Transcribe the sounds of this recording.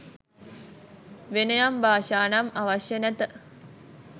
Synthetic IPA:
ʋenəjambaːʃaːnamaʋaʃjənæt̪ə

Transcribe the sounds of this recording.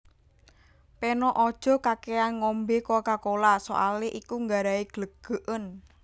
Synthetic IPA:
penɔʔɔd̥ʒ̥ɔ̤kakeanŋɔmbekokakolaso̰ʔaleʔikuŋɡaɾaiɡ̥ləɡ̥ə̤ʔən

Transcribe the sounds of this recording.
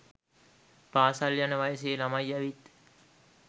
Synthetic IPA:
paːsaljanəʋajəs̬eːlamajæʋit̪

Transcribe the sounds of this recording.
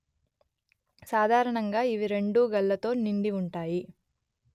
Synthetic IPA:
saːd̪ʱaːɾɐɳɐŋɡaːiʋiɾe̞ɳɖuːɡɐlːɐt̪o̞ːniɳɖiuɳʈaːji

